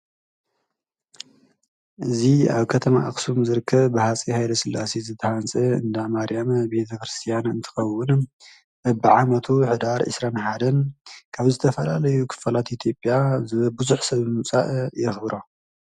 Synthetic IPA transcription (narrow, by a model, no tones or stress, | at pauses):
ʔɨzia̰βkʰɐt̪ʰɐma̰ʔa̰kʼsumzɨɾɨkʰːɐβbɨhat͡sʼihajlɐsɨlːasizɨt̪ʰːɐhant͡sʼɐɨnd̪amaɾijambe̞t̪ʰɐkɾɨst̪ʰijanɨnt̪ʰɨ̥xɐwːʊn | bɐbɨʕamɐt̪ʰuħɨd̪aɾʕɨ̰sɾanħad̪ɐnkʰaβzɨt̪ʰɐfɐlalɐjukʰɨ̥fɐlat̪ʔit̪ʰjo̞pʼjazɨβbɨzuħsɐβmɨt͡sʼa̰ʔjɪxβɾo